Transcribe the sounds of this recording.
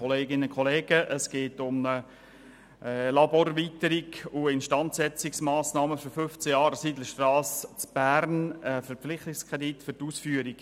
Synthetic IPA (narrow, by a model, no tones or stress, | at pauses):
ɔleːɡɪnəkʰχɔleːɡəʔəsɡ̥eːtʊmnə | lɑboːɾʋitəɾiɡuɪnʃtɑntsɛt͡sɪksmaːsnɑːməføɾfʏft͡səjɑːɾəsidləʃtrɑːst͡sb̥æːɾnəfəɾpp͡flɪχtɪkskʰʁɛditfʏɾtuːsfyːəɾiɡ̥